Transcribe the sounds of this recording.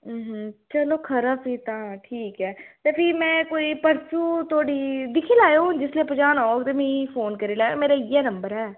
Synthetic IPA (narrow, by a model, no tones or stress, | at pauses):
ɦt͡ʃəloːkʰəɾapiːt̪ãːʈʰiːkɦɛːt̪eːpʰɪmɛ̃ːkoːipəɾsuːt̪ʰoːɽiːd̪ɪkʰiːlaːjaɦũnd͡ʒɪsliepəd͡ʒaːnaːoːɡt̪emĩpʰoːnkəɾiːlaːjmeːɾaːiːaːnəmbəɾɦɛː